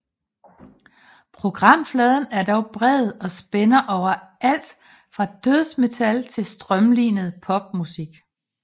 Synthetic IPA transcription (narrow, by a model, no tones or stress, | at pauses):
pʰʁo̝ɡ̥ʁɑ̈m̰flɛːð̞ˠn̩æɐd̥ɒʊb̥ʁɛðˠɒ̽sb̥enɐʔɒʊ̰ɐæl̰d̥ | fʁɑ̈d̥øðˠsme̝t͡sʰælt͡sʰe̝lsd̥ʁɶmliːnəð̩ˠpʰɒ̽b̥̚musiɡ̥